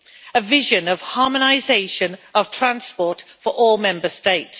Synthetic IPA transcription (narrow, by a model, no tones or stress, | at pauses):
əvɪʒə̃nəv̥hɑːmənaɪzeɪʃə̃nəv̥tʰɹ̥ãnspɔˑtfəɹʔɔːlˠmɛ̃mbəsteɪts